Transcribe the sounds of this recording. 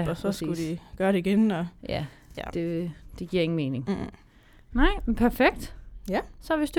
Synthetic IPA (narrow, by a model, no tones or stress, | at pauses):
ɒsɒsɡ̥ud̥iɡ̥ɶɐɾeiɡ̥enɒ̽jæ | d̥e̝d̥eɡ̥iɐeŋn̩me̝ːne̝ŋ | nɑɪ̰pʰæɐfeɡ̥̚d̥ | sɒ̽ʋesd̥u